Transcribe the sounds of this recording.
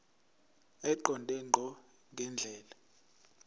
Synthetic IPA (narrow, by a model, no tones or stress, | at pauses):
ɛǃɔntʼɛŋ͡ǃʱɔ | ŋʱɛnd͡ɮʱɛːla